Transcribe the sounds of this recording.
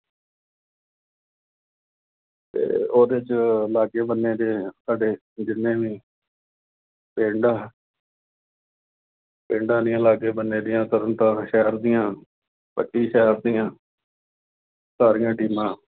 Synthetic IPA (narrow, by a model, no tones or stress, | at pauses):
t̪ḛːoːd̪eːt͡ʃəlaːkeːbənːeːd̪eːsaːɖeː | d͡ʒɪnːẽːʋiː | pẽːɳɖaː | peːɳɖãːd̪ɪjãːlaːkeːbənːeːd̪ɪjãːt̪əɾənt̪ãːʃɛɦəɾd̪ɪjãː | pə̰ʈːiːʃɛɦɾd̪ɪjãː | saːɾɪjãːʈiːmãː